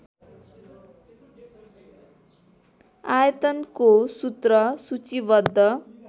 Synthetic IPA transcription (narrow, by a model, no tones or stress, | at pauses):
ajʌt̪ʌnkosut̪rʌsut͡sibʌd̪ʱːʌ